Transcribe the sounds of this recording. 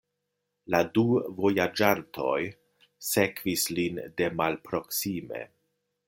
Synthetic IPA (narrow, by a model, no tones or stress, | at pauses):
laduvo̞jad͡ʒantʰo̞j | se̞kvislinde̞malpɾo̞ksime̞̰